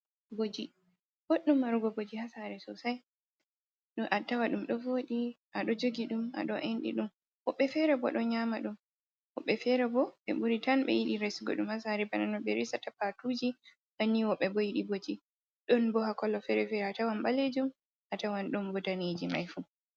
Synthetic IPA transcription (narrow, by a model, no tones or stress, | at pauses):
bod͡ʒi | boɗːumːaɾuɡɔbod͡ʒihasaɾɛsɔsaj | ɗɔʔatːawaɗumɗɔvoɗi | ʔaɗɔd͡ʒoɡiɗuma̰ɗɔʔenɗḭɗum | wɔɓːɛfɛɾɛbɔ̰ɗɔɲamaɗum | wɔɓːɛfɛɾɛbɔɓɛ̰ɓuɾitanɓɛ̰jiɗiɾesɡɔ̰ɗumhasaɾɛbananɔɓɛɾisatapatud͡ʒi | hanːiwɔɓːɛbɔjiɗibod͡ʒi | ɗɔnbɔhakɔlːɔfɛɾɛfɛɾɛatawanɓaled͡ʒum | ʔatawanɗɔmbɔtaned͡ʒima̰jfu